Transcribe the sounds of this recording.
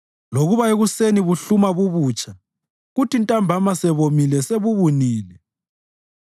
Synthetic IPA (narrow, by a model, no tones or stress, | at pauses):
loɣuβaeɣuseniβuɬumaβuβuːt͡ʃʼʰa | ɣutintʼambʱamasɛβomilɛseβuβuniːlɛ